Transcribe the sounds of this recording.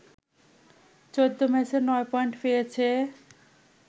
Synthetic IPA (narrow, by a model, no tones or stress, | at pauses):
t͡ɕod̪ːomɛʃeɾnɔepɔjɳʈpejet͡ɕʰe